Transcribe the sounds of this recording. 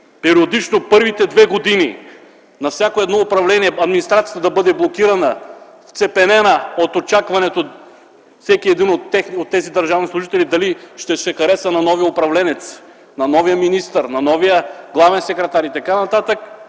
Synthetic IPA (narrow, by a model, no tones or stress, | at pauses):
pɛɾiod̪it͡ʃnopɤɾvit̪ɛd̪vɛɡod̪ini | nɐfsʲjakoɛd̪nɔʊpɾɐvlɛniɛɐd̪minist̪ɾat̪sijət̪əd̪ɐbɤd̪ɛblˠokiɾɐnə | ft̪sɛpɛnɛnəot̪ot͡ʃakvɐnɛt̪o | fsɛkiɛd̪inot̪ːɛxniot̪ːɛzid̪ɐɾʒavnislˠuʒit̪ɛlid̪ɐliʃt̪ɛsɛxɐɾɛsənɐnɔvijəʊpɾɐvlɛnɛt̪s | nɐnɔvijəminist̪əɾnɐnɔvijəɡlˠavɛnsɛkɾɛt̪aɾit̪ɐkanɐt̪at̪ək